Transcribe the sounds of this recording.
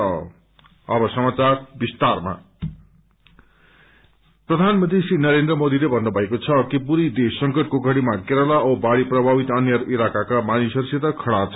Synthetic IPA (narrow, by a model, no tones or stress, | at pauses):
ʌ | ʌbʌsʌmat͡sarbist̪arma̰ | prʌd̪ʱanmʌnt̪isinʌɾend̪rʌmod̪ilebʱʌnːubʱʌɦekot͡sʰʌkipuɾid̪esʌŋkʌʈ̚koɡʱʌɽimakeɾʌlaʌbaɽiprʌbʱabit̪ʌnjʌɾilakakamanisʌrset̪ʌkʰʌɽat͡sʰʌ